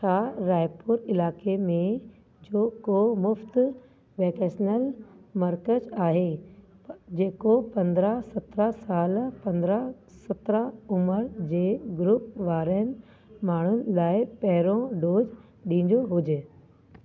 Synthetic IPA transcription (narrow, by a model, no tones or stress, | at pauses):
ʃʰaːɾaːɪpʊɾɪlaːkemẽ | d͡ʑoːkoːmʊft̪ | ʋɛːkeːsnəlmɐɾkəd͡ʑaːɦe | d͡ʑeːkopɐ̃nd̪ɾəsɐt̪ɾəsaːlpɐ̃nd̪ɾə | sɐt̪ɾəʊməɾd͡ʑeːɡʊɾʊpʋaːɾənɪ̆ | maːɳ̤ʊnɪ̆laːɪpɐɦɪɾõɖoːd͡ʑ | ɗĩːnɲ̆d̪oɦʊd͡ʑe